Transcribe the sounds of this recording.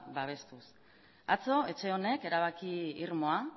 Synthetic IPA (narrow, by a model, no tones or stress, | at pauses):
baβ̞e̞st̪us | at͡so̞e̞t͡ʃe̞o̞ne̞ke̞ɾaβ̞akiiɾmo̞a